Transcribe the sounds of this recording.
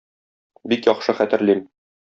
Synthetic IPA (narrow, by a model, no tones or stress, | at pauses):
bikjɒχʃɤχæt̪ɘ̆ɾlim